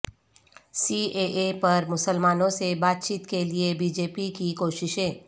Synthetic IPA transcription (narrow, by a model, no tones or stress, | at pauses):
siːeːʔepɐɾmʊsəlmaːnõsebaːt̪̚t͡ʃiːt̪keliebiːd͡ʒeːpikikoːʃɪʃɦẽː